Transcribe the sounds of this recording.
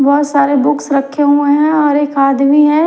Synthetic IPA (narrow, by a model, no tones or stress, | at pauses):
bɔɦʊt̪saːɾebʊksɾɐkʰːeɦuẽɦɛ̃ɔːɾeːkaːd̪miɦɛ̃